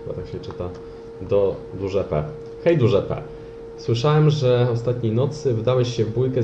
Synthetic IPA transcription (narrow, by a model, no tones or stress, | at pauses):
ɘba̰t̪akɕɛt͡ʂɘt̪a | d̪ɔ | d̪uʐɛpɛ̰ | xɛjd̪uʐɛpɛ̰ | swɘʂawɛmʐɛɔst̪at̪̚ɲejnɔt̪sɘvd̪awɛɕɕɛvbujkɛ